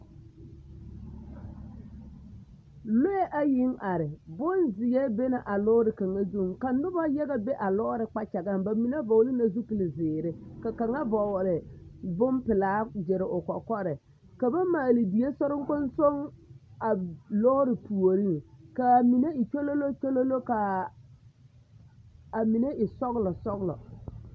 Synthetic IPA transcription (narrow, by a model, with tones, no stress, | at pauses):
lo˦je˦ʔa˨jɪ˦ŋa˨ɾɪ˨bʊ˦nzɪ˨jɛ˦be˦na˨ʔa˨lɔ˦ɾɪ˨ka˨ŋa˦zu˦ŋka˨nʊ˦ba˦jɛ˦ɣa˦be˦ʔa˨lɔ˦ɾɪ˨k͡pa˦t͡ʃa˨ɡa˦mba˨mi˨na˦bɔ˨wlɪ˦na˨zu˦pɪ˨lɪ˨zɪː˨ɾɪ˦ka˨ka˨ŋa˦vɔ˨wɾɪ˨bʊ˦mpɪ˨laː˦d͡ʒɪ˨ɾɪ˨ʔʊ˨kɔ˨kɔ˦ɾɪ˨ | ka˨ba˦maː˨lɪ˨di˨je˦sɔ˦ɾɪ˦ŋ˦kʊ˦nso˦ŋa˨lɔː˦ɾɪ˨pu˨o˨ɾi˦ŋka˨mi˨ne˦ɪ˨t͡ʃo˦lo˦lo˦t͡ʃo˦lo˦lo˦ka˨ | a˨mi˨ne˦ɪ˨sɔ˦ɣlɔ˨sɔ˦ɣlɔ̰˨